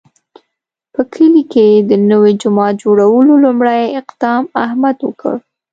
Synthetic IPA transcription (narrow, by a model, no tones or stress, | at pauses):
pəkʰəliked̪ənəwed͡ʒʊmɑt̪̚d͡ʒoɽawəlolumɽajɪqd̪̥ɑmahmad̪wə̰kʰə̰ɽ